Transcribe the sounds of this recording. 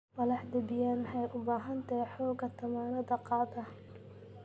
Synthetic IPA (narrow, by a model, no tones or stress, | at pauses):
mɐlɑħd̪ɐbɪjaːnħɑjʔʊbaːɦɐnt̪ʰɛħɔːɡɐt̪ʰɐmaːnɐðɐqɑːd̪ɐ